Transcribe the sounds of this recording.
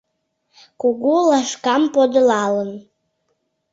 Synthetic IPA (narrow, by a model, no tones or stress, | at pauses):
kuɣulɑʃkɑmpod̪əlɑlən